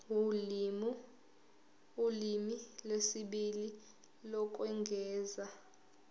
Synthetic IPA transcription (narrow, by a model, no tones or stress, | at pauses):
ulimilwesiɓili | lɔk̬ʼwɛŋɡʱɛːza